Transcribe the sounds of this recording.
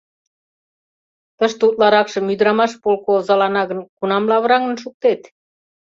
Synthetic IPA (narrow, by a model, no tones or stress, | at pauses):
t̪əʃt̪ut̪lɑɾɑkʃə̆myd̪ɾɑmɑʃpolkozɑlɑnɑɣə̆nkunɑmlɑβɾɑŋə̆nʃuk̚t̪et̪